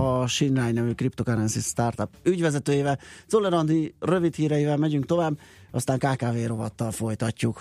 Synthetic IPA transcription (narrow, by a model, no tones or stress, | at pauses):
ɒʃinrajnɛvyːkript̪o̞kaɾɛnsist̪art̪ɒpyɟvɛzɛt̪øːjeːvɛzolɛɾɒnd̪irø̞vit̪hiːɾɛjivɛlmɛɟyŋk̚t̪o̞vaːbːɒst̪aːŋkaːkaːveːɾo̞vɒt̪ːɒlfo̞jt̪ɒcːuk